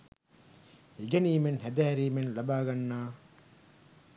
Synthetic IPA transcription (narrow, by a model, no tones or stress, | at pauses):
iɡɐniːmenɦed̪aːɾiːmenlɐbaːɡɐnːaː